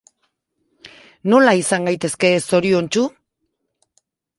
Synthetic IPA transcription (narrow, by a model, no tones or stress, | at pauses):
no̞laisaŋɡajt̪e̞ske̞so̞ɾio̞nt͡ʃu